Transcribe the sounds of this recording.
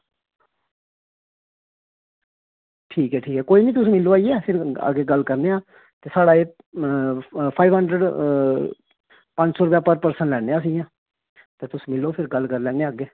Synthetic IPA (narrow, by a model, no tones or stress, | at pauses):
ʈʰiːkɦɛːʈʰiːkɦɛːkoːiːnĩːt̪ʊsĩːmɪlːoːaːiɛːpʰɪɾə̰ɡeːɡəlkəɾneːaː | t̪eːsaːɽaːeː | pʰaːiʋɦəɳɖɾəɖ | pə̃ɲd͡ʒsɔːɾʊpjaːpəɾpəɾsəɳlɛːɽ̃eːãːs̬ĩãː | t̪eːt̪ʊsĩːmɪlːoːpʰɪɾɡəlkəɾlɛːneːaɡeː